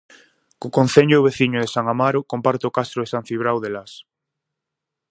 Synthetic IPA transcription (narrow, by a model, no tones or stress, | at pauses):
kokon̟θeɲʊːβeθiɲʊðesaŋamaɾokompaɾt̪okast̪ɾoðesanθiβɾawðelas